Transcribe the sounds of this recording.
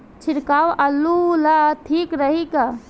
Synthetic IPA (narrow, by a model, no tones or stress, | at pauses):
t͡ʃʰiɾkaːwɐlːulat̪ʰiːkɾəɦika